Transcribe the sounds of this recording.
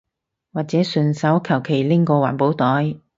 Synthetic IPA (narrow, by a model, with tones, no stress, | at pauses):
waː˨t̚t͡sɛː˨˥sɵ˧nsɐ˨˥wkʰɐ˨˩wkʰe˨˩jlɪ˥ŋkɔː˧waː˨˩npo˨˥wt̪ɔː˨˥j